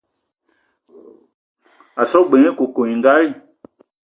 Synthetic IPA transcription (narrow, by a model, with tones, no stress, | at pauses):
a˨sɔ˦ɡ͡be˨˦ẽ˦ko˨ko˨ɲĩ˨ŋ˦ɡa˦ɾi˦˨